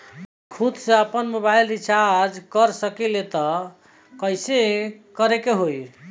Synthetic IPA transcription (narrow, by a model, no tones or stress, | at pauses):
kʰud̪seəpənmobajlɾit͡ʃaɾd͡ʒkəɾsəkilet̪ɔ | kəjsekəɾekeɦoj